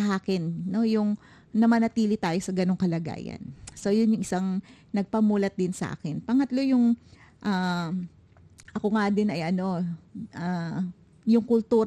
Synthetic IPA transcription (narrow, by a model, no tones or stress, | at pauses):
ɐʔaːkɪnːo̞jʊŋ | nɐmɐnɐt̪iːlɪt̪aːjo̞sɐɡɐnoŋkɐlɐɡa̰ːjɐ̰nsojʊnjʊŋɪsaŋ | nɐɡ̚pɐmuːlɐt̪̚d̪ɪnsɐʔa̰ːkɪnpɐŋɐt̪lo̞jʊŋ | ʔaː | ʔɐkoŋad̪ɪnɐjɐno̞ʔa | jʊŋkʊlt̪uːɾ